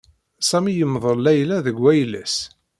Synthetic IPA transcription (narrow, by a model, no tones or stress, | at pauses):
sæmijəmːðˤəlːæjlæðəɡwæjlæ̰s